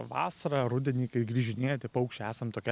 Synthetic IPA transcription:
ʋɑ̰ːsɐɾɑɾʊd̪ʲɛnʲiːkɐɪɡɾʲiːʒʲɪnʲeːjot̪ʲɪpɐʊkʃʲt͡ʃʲɛæːsɐmt̪oːkʲɛ

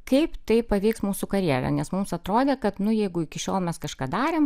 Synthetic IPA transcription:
kɐɪpt̪ɐɪpɐʋʲɛɪksmuːsukɐɾʲiɛlʲɛ̰nʲɛsmʊmsɐt̪ɾoːd̪ʲeːkɐt̪nʊjɛɪɡʊɪkʲɪʃʲoːlˠmʲɛskɐʃkɑːd̪ɑːɾʲeːm

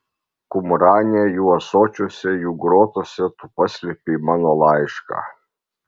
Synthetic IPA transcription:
kʊmɾaːnʲɛjuɐsɔːt͡ʃʲosʲɛjuɡɾoːt̪osʲɛt̪upɐsʲlʲɛpʲimaːnɔlˠɑjʃka̰

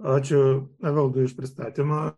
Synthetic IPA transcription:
ɑːt͡ʃʲʊnɐʋʲɛlˠd̪ʊɪʃpʲɾʲɪst̪ɑːt̪ʲimɐ

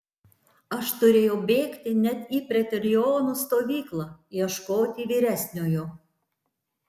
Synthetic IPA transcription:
ɐʃt̪ʊɾʲeːjɛʊbʲeːkt̪ʲɪnʲɛt̪ipʲɾʲɛt̪ʲɾʲɪoːnust̪oːʋʲiːklˠɑjɛʃkoːt̪ʲiːʋʲiːɾʲæsʲnʲoːjo

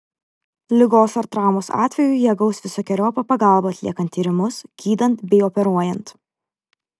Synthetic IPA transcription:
lʲɪɡoːsɐɾt̪ɾɑːmoːsɑ̰ːt̪ʲʋʲɛjʊɪjɛɡɐʊsʋʲɪsoːkʲɛɾʲoːpɐpɐɡɑˑlˠboːɐt̪ʲlʲḭɛkɐnt̪ʲːiːɾʲɪmʊsɡʲiːd̪ɐnt̪bʲɛɪɔpʲɛɾuɔjɛnt̪

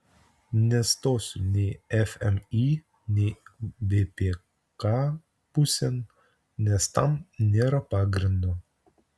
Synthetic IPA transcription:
nʲɛst̪osunʲiɛfɛmi | nʲivepe | ka | pusʲɛn | nʲɛst̪a̰mnʲeɾɐpaɡɾʲind̪o

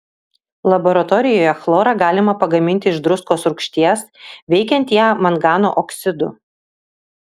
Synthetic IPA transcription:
lˠɐbɔɾɐt̪ɔɾʲɪjoːjɛxlˠoːɾɑɡɑːlʲɪmɐpɐɡɐmʲɪnʲt̪ʲɪɪʒd̪ɾʊskoːsɾʊkʃʲt̪ʲiɛsʋʲɛɪkʲɛnʲt̪ʲjæːmɐnɡɑːno̰ːʔɔksʲɪd̪ʊ̰

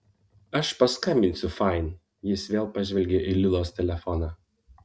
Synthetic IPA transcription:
ɐʃpɐskɐmʲbʲɪnʲsʲʊfɑˑɪn | jɪsʋʲeːlˠpɑʒʲʋʲɛlʲɡʲɛʔilʲɪlˠoːst̪ʲɛlʲɛfɔnɑː

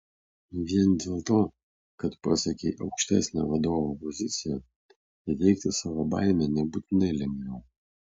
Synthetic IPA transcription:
ʋʲiɛnd̪ʲeːlˠt̪oː | kɐt̪pɑsʲɐkʲɛɪʔɐʊkʃʲt̪ʲɛsʲnʲɛ̰ʋɐd̪oːʋopɔzʲɪt̪sʲɪjɛ | ɪt̪ʲɛɪkt̪ʲɪsɑːʋoːba̰ɪnʲɛnʲɛbuːt̪ʲɪnɐɪlʲɛmʲnʲɛʊ

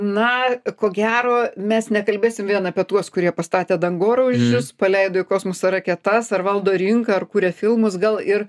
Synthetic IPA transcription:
nɐkoːɡʲæːɾoːmʲɛsnʲɛkɐlʲbʲeːsʲɪmʋʲiɛnɐːpʲiɛt̪uɔskʊɾʲiɛpɐst̪ɑːt̪ʲeːd̪ɐŋɡoːɾɐʊd͡ʒʲʊspɐlʲɛɪd̪oːɪkoːsmosɐɾɐkʲɛt̪ɐsɐrʋɐlˠd̪oːɾʲɪŋkɐɐrkuːɾʲɛfʲɪlˠmʊsɡɐlˠɪr

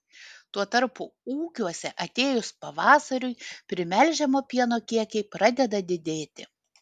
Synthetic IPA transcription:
t̪uɔt̪ɐɾpʊuːkʲuɔsʲɛʔɐt̪ʲeːjʊspɐʋɑːsɐɾʲʊɪpʲɾʲɪmʲɛlʲʒʲɛmoːpʲiɛnoːkʲiɛkʲɛɪpɾɑd̪ʲɛd̪ɐd̪ʲɪd̪ʲeːt̪ʲɪ

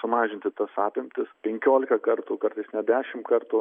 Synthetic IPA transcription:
sʊmɑːʒʲɪnʲt̪ʲɪt̪ɐsɑːpʲɪmʲt̪ʲɪspʲɛŋʲkʲoːlʲɪkɐkɐrt̪ukɐrt̪ɐɪsnʲɛd̪ʲæːʃʲɪmkɐrt̪uː

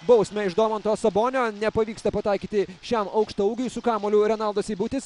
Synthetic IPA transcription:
bɐʊsʲmʲɛɪʒd̪oːmɐnt̪oːsɐboːnʲoːnʲɛpɐʋʲiːkst̪ɐpɐt̪ɑˑɪkʲiːt̪ʲɪʃʲɛmɐʊkʃt̪ɐʊɡʲɐɪsʊkɑːmoːlʲʊɾʲɛnɑlˠd̪osiːbʊt̪ʲɪs

